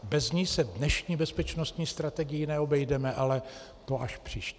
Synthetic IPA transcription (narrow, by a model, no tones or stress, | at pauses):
bɛzɲisɛvdnɛʃɲiːbɛspɛt͡ʃno̞st̪ɲiːst̪ɾat̪ɛɡɪjɪnɛo̞bɛjdɛmɛʔalɛ | t̪oʔaʃpr̝̥iːʃ